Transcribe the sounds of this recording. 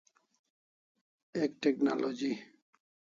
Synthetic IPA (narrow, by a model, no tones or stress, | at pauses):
ekʈekna̰lod͡ʑi